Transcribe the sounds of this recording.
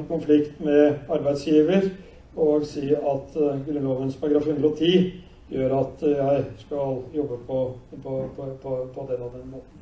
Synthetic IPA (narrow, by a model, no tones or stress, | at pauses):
kʊnflɪkt̪mɛɑɾbæɪd̪sjiːʋəɾ | ɔɡsiːɑt̪ɡɾʉnlɔːʋənspʰɑɾəɡɾɑːfhʉnd̪ɾəɔt̪ʰiː | jøːɾɑt̪jæɪskɑljɔbːəpʰɔpʰɔpʰpʰɔpʰɔd̪ɛnːɑʋd̪ɛnmoːt̪ə